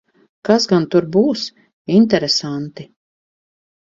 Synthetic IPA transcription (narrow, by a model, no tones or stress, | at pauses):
kasɡant̪uɾbuːs | int̪̬ɛɾesant̪i